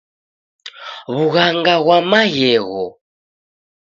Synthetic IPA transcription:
βuɣaŋɡaɣwamajɛɣɔ̰

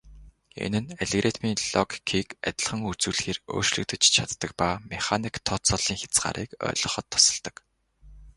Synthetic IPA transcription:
ḛnɘ̆neɮeɣret̪miːɮɔkkʰiːkæt̪ʲɪ̆ɮχə̆ŋut͡suːɮxeːro̰ːrʃɮɘ̆k̚t̪ɘ̆t͡ɕt͡ɕʰat̪ːə̆k̚paːmeχanikt̪ʰːɔt͡sɔɮiːŋxʲḁt͡sɢa̰ːɾʔiːkœ̰ːɮɞ̆χɞ̆t̪ʰːʊ̥sɞ̆ɮt̪ə̆k

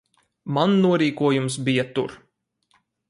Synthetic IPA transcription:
manːuɔɾiːkuɔjumsbijat̪uɾ

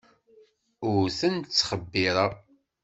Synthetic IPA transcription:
ʊɾθənt͡sːχəbːiɾˤɑ

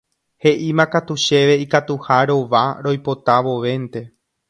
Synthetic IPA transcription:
he̞ʔimãkat̪uʃe̞ʋe̞ikat̪uhaɾo̞ʋaɾo̞jpot̪aʋo̞ʋe̞nt̪e̞

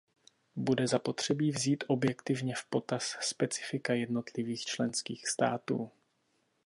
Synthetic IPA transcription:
budɛzapo̞t̪r̝̥ɛbiːvziːt̪ʔo̞bjɛkt̪ɪvɲɛfpo̞t̪asːpɛt͡sɪ̥fɪkajɛdno̞t̪lɪviːxt͡ʃlɛnskiːxst̪aːt̪ṵː

